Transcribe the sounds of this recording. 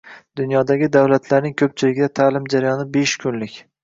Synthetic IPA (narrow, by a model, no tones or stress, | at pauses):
d̪̥ʊnjɒd̪aɡʲɪd̪awlat̪ʰlaɾnɪŋkʲʰɵp̚t͡ʃʰɪlɪɡʲɪd̪at̪ʰaːlɪmd͡ʒaɾajɒnɪbeʃkʰʊnlɪkʲ